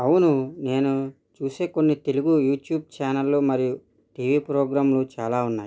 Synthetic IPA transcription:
ɐwunune̞ːnu | t͡ʃuːseːko̞nːit̪e̞luɡujuːʈjuːb̚t͡ʃaːnɐlːomɐɾiju | ʈiːʋiːpɾoːɡɾaːmlut͡ʃaːlaːunːaːju

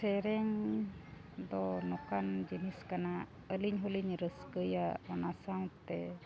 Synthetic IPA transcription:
sɛɾɛŋ | d̪ɔnɔkand͡ʒiniskana | əliɲɦuliɲɾəskəjaɔnasaw̃t̪ɛ

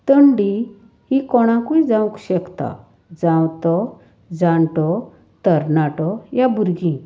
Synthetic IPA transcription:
t̪əɳɖi | hikɔɽ̃ãkuid͡zãwkɕɛkt̪a̰ | d͡zãwt̪ɔ | d͡zãɳʈɔ | t̪əɾnaʈɔjabuɾɡĩ

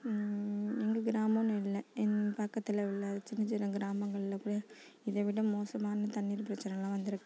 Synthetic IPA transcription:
ɛŋɡɐɡɪɾaːmɐnɪlːɐɛnpɐkːɐt̪ːɪlɐʋɪlːɐt͡ʃːɪnɐd͡ʒɪɾɐɡɪɾaːmɐŋɡɐɭɪlɐkuːɽɐ | ɪðɐʋɪɽɐmoːsɐmaːnɐt̪ɐɳːiːɾpɪɾɐt͡ʃːɐnɛlãːʋɐnd̪ɪɾɯkːɯ̃

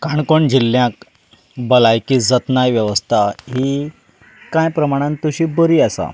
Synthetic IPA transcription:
kaɳkoɳd͡ʑiljãk | bəlajkid͡zət̪najʋjəʋəst̪ʰaɦi | kãjpɾəmaɽ̃ãnt̪uɕiːbəɾiːasa̰

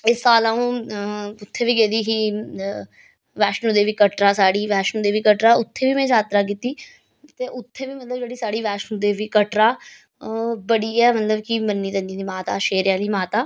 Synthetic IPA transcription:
ɪsaːlãːũː | ʊt̪ʰːeːʋiːɡeːd̪iːɦiː | ʋɛːʃnũːd̪eːʋiːkəʈɾaːsaːɽiːʋɛːʃnũːd̪eːʋiːkəʈɾaːʊt̪ʰːeːʋiːmɛ̃ːd͡ʒaːt̪ɾaːk̬iːt̪iː | t̪eːʔʊt̪ʰːeːʋiːmət̪ləbd͡ʒeːɽiːsaːɽiːʋɛːʃnũːd̪eːʋiːkəʈɾaː | bəɽiːɛːmət̪ləbkɪmənːiːd̪ənĩːd̪iːmaːt̪aːʃeːɾɪjaːliːmaːt̪aː

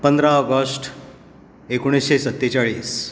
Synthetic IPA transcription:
pənd̪ɾaɔɡəsʈ | ekoɽ̃isɕesət̪ːet͡ɕaɭiːs

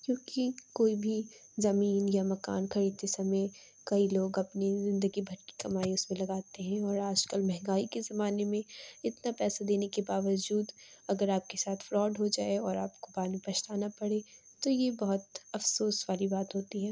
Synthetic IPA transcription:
kjõːkikoːibʱi | zɐmiːnjamɐka̰ːnkɐɾiːd̪tesɐməj | kɐiloːɡɐpnizɪ̃nd̪əɡibʱɐɽki̥kɐmaːiʊsmẽlɐɡaːt̪eɦɛ̃ɔːɾaːd͡ʒkəlmɛ̃ɦɛ̃ŋɡaːikezɐmaːnemẽɪt̪napɛːsad̪eːnekebaːʋəd͡ʒuːd̪ɐɡəɾaːp̚kesaːt̪ʰfɾɔːɖɦod͡ʒaːeɔːɾaːp̚kobaːɾnipɐʃt̪aːnapɐɽe | t̪ojebɐɦʊt̪ɐfsoːsʋaːɾibaːt̪ɦoːt̪iɦɛː

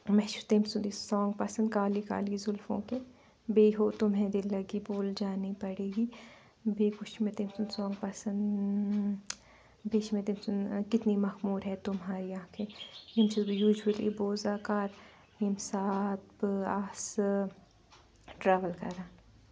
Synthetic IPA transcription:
mɛʃuɾt̪eːmsʊnd̪isɔːŋɡpɐsə̃nd̪kaːlika̰ːlizʊlfõ̰ke | beːɦot̪ʊmɦɛ̃d̪ilːɐɡiboːld͡ʒaːnipɐɽeːɡiː | beːkʊʃmet̪eːmsʊnd̪sɔːŋɡpɐsɐ̃nd̪ | beːʃmet̪eːmsʊnkɪt̪nimɐxmuːɾɦɛt̪ʊmɦaːɾijãkʰeimsizbjuːd͡ʒəlḭboːzaːkaːɾ | imsaːt̪baːs | ʈɾaːʋəlkɐ̰ɾaːn

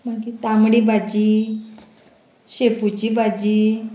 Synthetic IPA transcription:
maɡit̪amɽibad͡ʑiː | ɕeput͡ɕibad͡ʑi

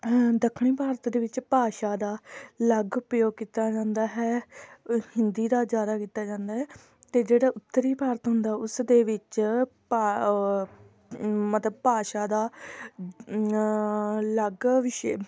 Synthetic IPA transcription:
d̪əkʰɽ̃iːpaːɾət̪d̪eːʋɪt͡ʃpaːʃaːd̪aːləɡʊpjoːɡ̚kiːt̪aːd͡ʒãːnd̪aːɦɛː | hɪnd̪iːd̪aːzjaːd̪aːkiːt̪ːaːd͡ʒãːnd̪aːɦɛː | t̪eːd͡ʒeːɽaːʔʊt̪ːəɾiːpaːɾət̪ɦʊnd̪aːɦɛʊsd̪eːʋɪt͡ʃpa | mət̪ləb̚paːʃaːd̪aː | ləɡʋɪʃeː

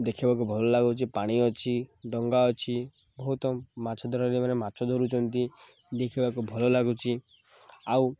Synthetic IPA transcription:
d̪ekʰibak̬ubʱɔlɔlaɡut͡ʃʰipaɽ̃iɔt͡ʃʰiɖɔŋɡaɔt͡ʃʰi | bɔɦut̪ɔmat͡ʃʰɔd̪ʱɔɾaɾimanemat͡ʃʰɔd̪ʱoɾut͡ʃʰɔnt̪i | d̪ekʰibakubʱɔlɔlaɡut͡ʃʰi | aw

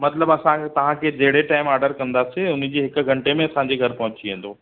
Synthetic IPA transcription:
mɐt̪ləbɐsãt̪ɐʋ̤ãkʰed͡ʑɐɦɪɽeʈaːɪmaːɾɖəɾkɐ̃nd̪aseʊnd͡ʑiːɦɪk̆ɡʱɐ̃ɳʈemẽɐsãɲd͡ʑeɡʱɐɾpɐ̃ɦʊ̃t͡ɕiẽːn̆d̪oː

